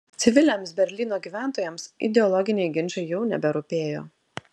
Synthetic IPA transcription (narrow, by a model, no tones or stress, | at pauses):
t̪sʲɪʋʲɪlʲeːmsbʲɛɾʲlʲiːnoːɡʲiːʋʲæˑnˑt̪oːjɛmsɪ̰d̪ʲɛɔlˠɔɡʲɪnʲɛɪɡʲɪnʲt͡ʃʲɐɪjɛʊnʲɛ̰bʲɛɾʊpʲeːjo̰ː